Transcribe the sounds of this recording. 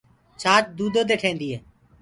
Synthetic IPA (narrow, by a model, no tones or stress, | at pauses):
t͡ʃʰaːt͡ʃd̪uːd̪oːd̪eːʈʰẽːnd̪iːɦɛː